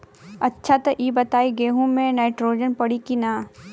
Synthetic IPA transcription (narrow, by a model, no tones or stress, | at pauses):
ɐtːʃʰat̪ɐʔiːbɐt̪aːiɡeːɦũmẽnaːɪʈɾoːd͡ʒənpɐɽikinaː